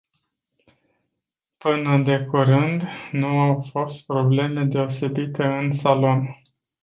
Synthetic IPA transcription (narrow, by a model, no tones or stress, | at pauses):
pɨnəd̪e̞kuɾɨnd̪nuawfo̞st̪̚pɾo̞ble̞me̞d̪e̞o̞se̞bit̪e̞ɨnsalo̞n